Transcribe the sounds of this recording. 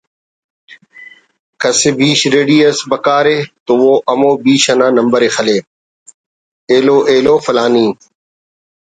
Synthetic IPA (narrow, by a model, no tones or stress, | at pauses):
kɐsebiːʃɾeːɖiːəsbɐkaːɾeːt̪oʋoːʔɐmoːbiːʃɐnãːnɐmbəɾeːxəleː | eːloːʔeːloːfɐlaːniː